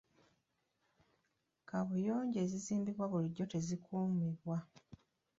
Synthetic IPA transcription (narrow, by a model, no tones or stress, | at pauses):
kaβujo̞ːɲɟe̞ːziziːmbiβwaβuliɟːo̞te̞zikʰuːmiβwa